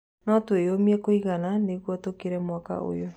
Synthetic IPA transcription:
nɔtoeomiɛkoiɣananeɣwɔtokeɾɛmwaka̰o̰jo

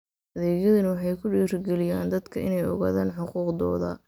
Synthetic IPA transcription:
ʔɐðɛːɣjɐðɐnɐwɑħɑjkʰʊɖiːrɡɛlɪjaːnd̪ɐd̪kʰɐɪnɛjɔ̰ɣa̰ːðaːnħʊquːqd̪ɔ̰ːðɐ̰

